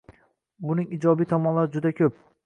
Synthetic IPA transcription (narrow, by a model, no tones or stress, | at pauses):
bʊnɪŋid͡ʒɒbijt̪ʰɒmɒnlaɾɪd͡ʒʊd̪akʲʰɵp̚